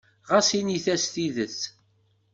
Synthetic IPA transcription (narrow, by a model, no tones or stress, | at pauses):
ʁasiniθæst̪iðəθ